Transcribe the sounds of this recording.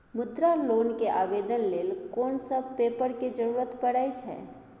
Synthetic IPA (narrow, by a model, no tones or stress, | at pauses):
mud̪ɾalonkeʔabed̪ənlelkonsəb̚pepəɾked͡ʒəɾuɾət̪pəɽajt͡ʃʰɛ̰